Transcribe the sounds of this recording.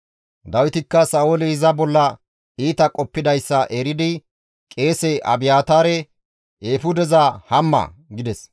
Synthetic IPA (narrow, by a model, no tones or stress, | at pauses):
d̪ɐwɪt̪ɪkːɐsɐːolɪɪzɐbɔlːɐ | iːt̪ɐkʼɔpːɪd̪ɐjsːɐʔɛɾɪd̪ɪ | kʼe̞ːsɛʔɐ̰bɪjaːt̪aːɾɛ | eːfʊd̪ɛzɐhɐmːɐ̰ɡɪd̪ɛs